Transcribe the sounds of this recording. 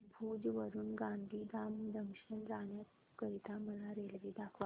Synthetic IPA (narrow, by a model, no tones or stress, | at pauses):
bʱuːd͡zʋəɾuːnɡand̪ʱiːd̪amd̪ʱəmɕənɾanjat̪ | kəɾit̪aməlaɾelʋiːɖakʰʋa